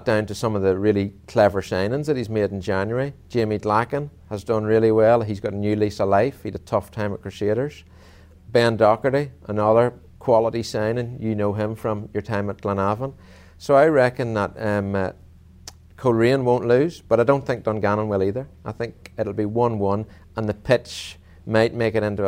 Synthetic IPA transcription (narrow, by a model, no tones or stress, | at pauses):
t̚d̥ãʊ̃ntɨsʌ̃mʌvðəɹɪlˠikʰl̥ɛvə˞sãɪ̃nɪ̃nzðɨt̚hizmeɾn̩d͡ʒãnjə˞i̥d͡ʒẽmidlakə̃n | əzdʌ̃nɹɪlˠiwɛlˠizɡɑɾənjʉlˠisəlaɪfhiɾətʰʌftʰãɪ̃məkʰɹ̥ɨʃeɾə˞z̥ | b̥ɛ̃ndɑkəɾiʔənʌðə˞ | kʰw̥ɑlˠəɾisãɪ̃nɪ̃njɨnoʊɪ̃ɱfɹə̃mjə˞tʰãɪ̃mət̚ɡ̥lə̃navə̃n | soʊaɪɹɛkɨ̃nðət̚m | kʰoɹiə̃nwõʊ̃nʔlʉz̥b̥ʌɾaɪdõʊ̃nθɪ̃ŋk̚d̥ʌ̃nɡanə̃nwɪlˠiðə˞aɪθɪ̃ŋkɪɾl̩ˠbiwʌ̃nwʌ̃n | ə̃nðəpʰɪt͡ʃ | maɪt̚meɪkɨɾɪ̃ntʉ